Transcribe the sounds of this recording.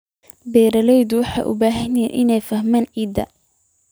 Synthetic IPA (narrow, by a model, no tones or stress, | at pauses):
bɛːɾɐlɛjðʊwɑħɑ̰ːʔʊ̰baːɦɐnɛ̰ʔɪnɛjfɐhmaːnʕiːd̪ɐ̰